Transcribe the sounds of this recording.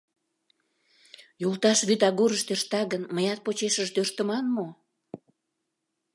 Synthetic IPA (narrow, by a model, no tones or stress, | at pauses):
jult̪ɑʃβyt̪ɑɣuɾəʃt̪øʃt̪ɑɣənməjɑt̪̚pot͡ɕeʃəʃt̪ørt̪əmɑnmo